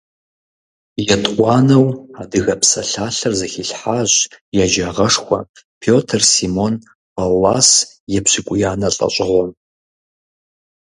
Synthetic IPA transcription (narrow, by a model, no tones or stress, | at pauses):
jɛtʼqʷɑːnɐwadɨɣɐpʰsɐɬaːɬɨrzɐxiɬħaːʑjad͡ʒaːʁɐʂxʷɐ̰ | pʰoːtʰɨrsimon | pʰalːas | jɛpɕʷikʷʼʊjaːnɐɬʼɐ̰ɕʷʼɪʁʷɔm